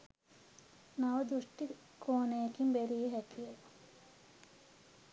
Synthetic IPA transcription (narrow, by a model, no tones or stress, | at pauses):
naʋəd̪ɾuʂʈi | kʰoːnejekimbeɾijeɦækʰije